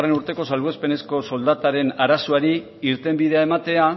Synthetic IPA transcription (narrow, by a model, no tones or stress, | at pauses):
re̞nuɾt̪e̞ko̞salβoespe̞ne̞sko̞so̞ld̪at̪aɾe̞naɾasoaɾi | iɾt̪e̞mbiðe̞ae̞mat̪e̞a